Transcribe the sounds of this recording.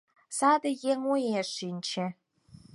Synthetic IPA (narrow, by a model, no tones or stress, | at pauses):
saːdɐjeŋujeʂiːnt͡ʃʰɛ